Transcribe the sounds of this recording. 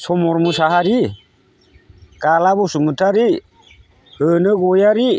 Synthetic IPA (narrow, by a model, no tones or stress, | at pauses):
sɔmɔɾmusaɦaɾi | ɡ̥alaβɔsumutʰaɾi | hənəɡɔjaɾi